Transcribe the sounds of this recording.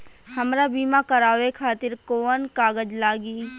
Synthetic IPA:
hɐmɾabiːmakɐɾaːʋekʰaːt̪ɪɾkoːənkaːɡəd͡ʒlaːɡiː

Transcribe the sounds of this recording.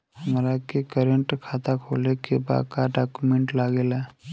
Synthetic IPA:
həmɾakekəɾə̃ɳʈkʰaːt̪akʰoːlekeba̰ːkaɖaːkumẽɳʈlaːɡelɛː

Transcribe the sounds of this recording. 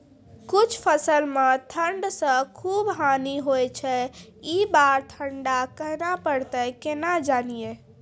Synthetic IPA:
kut͡ʃʰpʰəsəlmẽt̪ʰəɳɖsə̃kʰubɦaniɦojt͡ʃʰɛibaɾt̪ʰəɳɖakəɦnapəɽt̪əkenad͡ʒanije

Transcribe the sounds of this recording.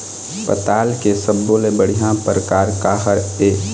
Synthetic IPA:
pə̰t̪aːlkesəbːoːlebəɽ̤ijãpəɾkaːɾkaːɦəɾeː

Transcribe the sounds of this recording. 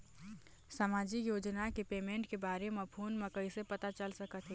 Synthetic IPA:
səmaːd͡ʒikjoːd͡ʒnakepeːmẽːɳʈkebaːɾemẽpʰuːnmẽkəisepɐt̪at͡ʃəlsəkət̪ɦɛː

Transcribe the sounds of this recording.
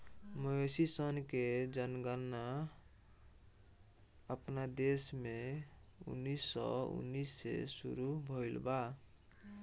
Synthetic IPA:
məɦesisənked͡ʒənɡanːa | əpnad̪esme | ṵnːisːɔ̰ṵnːisːḛsṵɾubʱoilba

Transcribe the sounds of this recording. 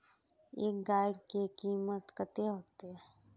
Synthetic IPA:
ḛːk̚ɡaːjkekiːmət̪kət̪eɦoːt̪eɦɛ̃ː

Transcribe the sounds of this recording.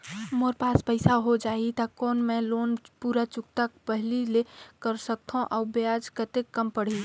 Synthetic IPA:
moːɾpaːspəɪsaɦod͡ʒaːit̪akɔːnmẽloːnpuːɾat͡ʃʊk̚t̪akpəɦlilekəɾsək̚t̪ʰõʔaːbad͡ʒkət̪ekːəmpəɽ̤i

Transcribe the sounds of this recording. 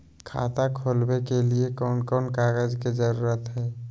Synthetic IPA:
kʰa̰ːt̪akʰoːlwekeliekɔːnkɔːnkaːɡəd͡ʒked͡ʒəɾuːɾət̪ɦɛː

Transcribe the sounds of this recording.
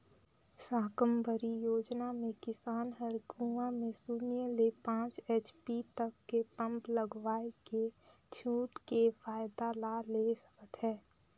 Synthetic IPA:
saːkəmbʱəɾijoːd͡ʒnamẽkɪsaːnɦəɾɡũʋamẽsuːnijəlepãːt͡ʃeːt͡ʃpit̪əkːepə̃mpləɡʋaːeke | t͡ʃʰuːʈkefaːjd̪alaleːsə̥kət̪ɦɛː

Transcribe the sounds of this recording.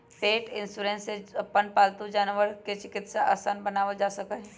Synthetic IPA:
peːʈɪ̃nsuːɾẽːnseɐpːənpaːlt̪ud͡ʒaːnʋəɾket͡ʃɪkɪt̪saʔaːsaːnbɐnaːʋəd͡ʒaːsəkəɦɛ

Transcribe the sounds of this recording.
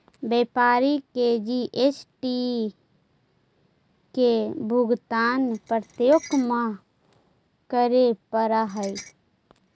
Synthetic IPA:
beːpaːɾiked͡ʒiʔesʈi | kebʱʊɡt̪aːnpɾət̪joːkmã | kəɾepəɾaɦəi

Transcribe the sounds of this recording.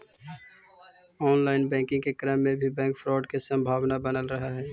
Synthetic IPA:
ɔːnlaːɪnbɛ̃ːkɪ̃ŋɡ̚kekɾəmːẽbʱibɛ̃ːŋkfʰɾɔːɖkesə̃mbʱaːʋnabənəlɾəɦaɦɛː

